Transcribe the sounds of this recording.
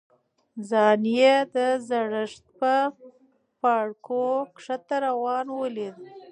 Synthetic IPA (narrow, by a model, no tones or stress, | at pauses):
zɑnijed̪əzaɽəʂt̪̚pə | paɽkokʂat̪aɾawɑnwəled̪